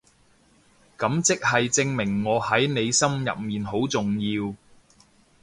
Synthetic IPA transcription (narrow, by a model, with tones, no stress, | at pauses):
kɐ˨˥mt͡sɪ˥k̚hɐ˨jt͡sɪ˧ŋmɪ˨˩ŋːɔː˨˧hɐ˨˥jne˨˧jsɐ˥mjɐ̰˨p̚miː˨nɦo˨˥wt͡sʊ˨ŋjiː˧w